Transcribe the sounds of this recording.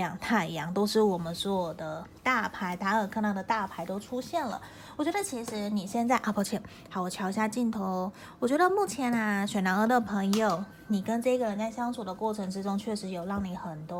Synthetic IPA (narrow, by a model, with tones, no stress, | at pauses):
jɑ˨˩ŋt̪ʰa˥˩ɪ˧jɑ˥ŋt̪o˥ʊʂɻ̩˥˩wɔ˨˩mə˦nsɔ˥˩˨d̪ə˦t̪a˥˩pʰa˧˥ɪt̪a˧˥ə˨˩kʰɤ˥˧na˧˩ŋdə˨˩t̪a˥˩pʰa˧˥ɪt̪o˥ʊʈ͡ʂʰu˥ɕjɛ˥˩nlə̰˩ | wɔ˨˩t͡ɕɥɛ˧˥d̪ə˧t͡ɕʰi˧˥ʂɻ̩˧˥ni˨˩ɕjɛ˥˧nt͡sa˥˩ɪʔa˥˩pʰa˧˥ʊt͡ɕʰi˧˥˩ŋ | ha˧˥wɔ˨˩t͡ɕʰjɑ˧˥ʊi˧ɕja˥˧t͡ɕi˥˩nt̪ʰo˧˥ʊ | wɔ˨˩t͡ɕɥɛ˧˥d̪ə˧mu˥˩t͡ɕʰjɛ˧˥na˧ɕɥɛ˨˩na˧˥ŋə˧˥d̪ə˨pʰə˧˥ŋjo˨˩ʊ | ni˨˩kə˦nʈ͡ʂɤ˥˩i˥ɡə˨ɻə˧˥nt͡sa˥˩ɪɕjɑ˥ŋsu˨˩d̪ə˦kwɔ˥˩ʈ͡ʂʰɤ˧˥ŋʈ͡ʂɻ̩˥ʈ͡ʂʊ˥ŋt͡ɕʰɥɛ˥˩ʂɻ̩˧˥jo˨˩lɑ˥˩ŋni˨˩xə˨˩nt̪wɔ˥